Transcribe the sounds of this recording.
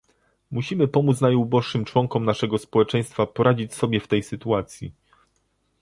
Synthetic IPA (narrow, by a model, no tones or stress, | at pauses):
muɕimɘpɔmut̪snajubɔʂːɘmt͡ʂwɔŋkɔmnaʂɛɡɔspɔwɛt͡ʂɛj̃st̪fapɔɾʔad͡ʑit͡ɕsɔbʲjɛft̪ɛjsɘt̪uat̪sʲjḭ